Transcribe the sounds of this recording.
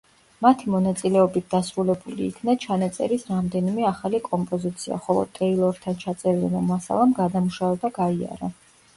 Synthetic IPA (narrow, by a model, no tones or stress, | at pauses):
mat̪ʰimɔnat̪sʼilɛɔbit̪̚ʰd̪asɾulɛbulḭːkʰnat͡ʃʰanat̪sʼɛ̰ɾisɾamd̪ɛnimɛaχalikʼɔmpʼɔzit̪sʰia̰χɔlˠɔ̰t̪ʼɾɛilˠɔɾt̪ʰant͡ʃʰat̪sʼɛɾlɛnɔmasa̰lˠamɡad̪amuʃavɛb̪aɡaia̰ɾa